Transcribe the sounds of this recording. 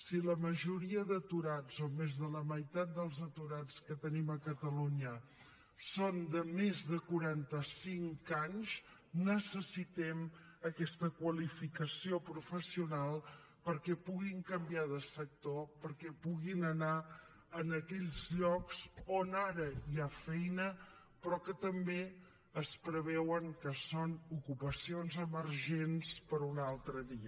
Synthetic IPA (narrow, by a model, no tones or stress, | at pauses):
siləməʒuɾiəðət̪uɾazomezðələməjt̪at̪̚d̪əlˠzət̪uɾanskət̪əniməkət̪əluɲə | sond̪əmezðəkuɾant̪əsiŋkaɲz | nəsəsit̪ɛm | əkɛst̪əkwəlifikəsiopɾufəsiunalˠ | pəɾkɛpuɣiŋkəmbiaðəsək̚t̪opəɾkɛpuɣinəna | ənəkɛʎzʎɔksonaɾəiafɛjnə | pɾɔkət̪əmbe | əspɾəβɛwəŋkəsonukupəsionzəməɾʒenspəɾunalˠt̪ɾəðiə